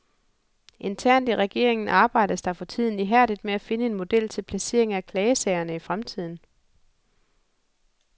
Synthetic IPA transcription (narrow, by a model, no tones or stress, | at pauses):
ʔe̝nt͡sʰæɐ̰nd̥iʁɛɡ̥e̝̰ɐ̰e̝ŋn̩ʔɑ̈ːb̥ɑ̈ɪ̰d̥əsd̥ɑ̈fɒ̽t͡sʰið̞̰ˠn̩iɦæɐ̰d̥id̥meæfe̝nəe̝nmo̝d̥el̰t͡sʰe̝lpʰlæse̝ːɐ̰e̝ŋækʰlɛːəsɛɪɐnəifʁamt͡sʰið̞̰ˠn̩